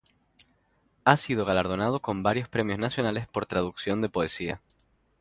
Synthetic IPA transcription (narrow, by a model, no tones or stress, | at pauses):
asið̞o̞ɣalaɾð̞o̞nað̞o̞ko̞mbaɾjo̞spɾe̞mjo̞znasjo̞nale̞spo̞ɾt̪ɾaðuksjo̞nd̪e̞po̞esia̰